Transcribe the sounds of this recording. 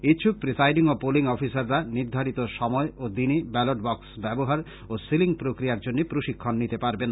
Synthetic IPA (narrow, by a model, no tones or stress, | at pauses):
iʃʰuk̚pɾisajɖiŋopoliŋɔfisaɾːaniɾd̪ʱaɾit̪oʃɔmɔeʔod̪inibɛloʈ̚bɔksbɛboɦaɾ | osiliŋpɾokɾiaɾd͡ʑonːepɾoʃikʰːonːit̪epaɾben